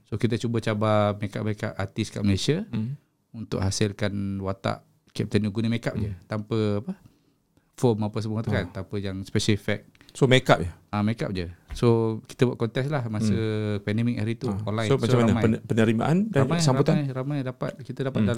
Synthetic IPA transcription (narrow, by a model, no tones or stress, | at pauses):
sokit̪ət͡ʃubət͡ʃabameka̰p̚meka̰pat̪iskaʔ̚məlesiə | unt̪ʊ̰ʔɦasɪlkanwat̪a̰ʔ | kɛp̚t̪anuɡunəmekap̚d͡ʒət̪ampəapə | fɔmapəs̬əmuat̪ukant̪ampəjaŋspɛʃalfɛk̚ | somekap̚jəameka̰p̚d͡ʒəsoki̥t̪əbwaʔ̪̚kɔnt̪ɛslahmasəpɛndɛmik̚aɾit̪uɔnlajmaamanmajpənəɾima̰ʔandaamajsamɾabut̪ajɾamajdapa̰t̪̚kit̪ədapat̪̚dal